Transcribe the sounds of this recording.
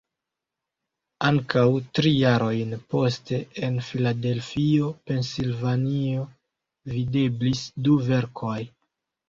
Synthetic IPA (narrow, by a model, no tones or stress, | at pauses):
aŋkawtɾijaɾo̞jnpo̞ste̞enfilade̞lfio̞pe̞nsilvanio | vide̞blisduve̞ɾkʰoj